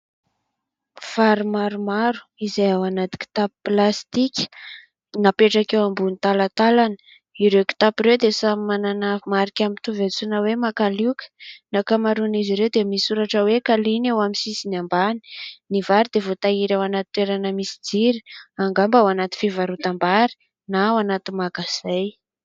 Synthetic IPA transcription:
faɾimaɾumaɾu̥izajawanat̪i̥ki̥t̪apiplast̪ikʲə̥ | napeʈ͡ʂakewambunit̪alat̪alanə̥ | iɾewki̥t̪apiɾewd̪esamimananəmaɾikʲamit̪uvet͡sunəwemakalikə̥nakamaɾuniziɾewd̪emisuɾaʈ͡ʂəwekalinewamisisinambani̥nivaɾid̪evot̪aiɾewanat̪i̥t̪weɾanəmisi̥d͡ziɾi̥aŋɡambawanat̪i̥fivaɾut̪ambaɾi̥ | nawanat̪imaɡasaj

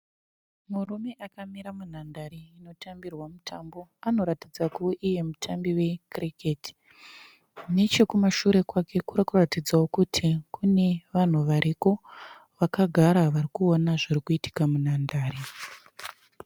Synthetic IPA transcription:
murume̞ʔakamiɾamun̤andaɾiːno̞tʰambirwamutʰambo̞ano̞ɾatid͡zakuʔije̞mutʰambiwe̞kriketi̥ | ne̞t͡ʃe̞kumaʃuɾe̞kwake̞kuɾakuratid͡zawokutʰikune̞ʋan̤uʋaɾʔiko̞ | ʋakaɡʱaɾaʋaɾikuonaʐirikuiti̥kamunandaːɾi

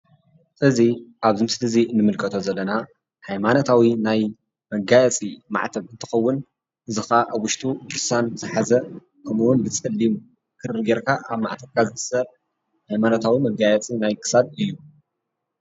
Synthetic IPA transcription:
ʔɨziʔaβzɨmsɨt̪ʰɨzinɨmɨlkʰɐt̪ʰo̞zɐlːɐna | hajmanot̪ʰawinaj | mɐɡajɛt͡sʼima̰ʕt̪ʰɐβɨnt̪ʰɨ̥xɐwːʊn | ʔɨzɨxaʔaβwʊʃt̪ʼud̪ɨɾsanbzɨħazɐ | kʰɐmuwunbɨt͡sʼɐlːimu | kʰɨrɨɡeɾkʰaʔaβma̰ʕt̪ʰɐβkʰazɨt̪ɨsɐb | hajmanot̪ʰawimɐɡajɐt͡sʼinajkʰɨ̥sad̪ɨjːu

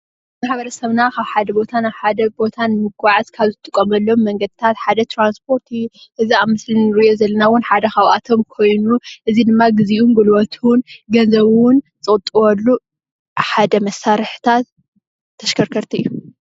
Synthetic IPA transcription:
maħbɐɾɐsɐβnakʰaβħad̪ɐbo̞t̪ʰanaβħad̪ɐbo̞t̪ʰanmɨɡaʕazkʰaβzɨt̪ʰʼɨkʼːɐmɐlːomːɐŋɡɐd̪ɨt̪ʰat̪ħad̪ɐt̪ɾanspʰo̞ɾt̪ːʔɨziamɨslinɾiʔjo̞zɐlːɐnawʊnħad̪ɐxawʔat̪ʰo̞mkʰo̞jnuʔɨzid̪ɨmːaɡɨziʔumɡɨlwɐt̪ʰuwʊnɡɐnzɐβwʊnt͡sʼɨkʼt̪ʼɨwɐlːu | ħad̪ɐmɐsːaɾɨħɨ̥t̪ʰat̪ʰː | ɐʃkʰɐɾkʰɐɾt̪ʰiʔɨ̰jːu

